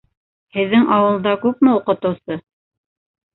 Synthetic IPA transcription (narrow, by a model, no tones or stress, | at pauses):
hɘ̆ðːɘŋʔɑwɤ̆lˠd̪ɑkʉpmɘuqɤ̆t̪ɤ̆wsɤ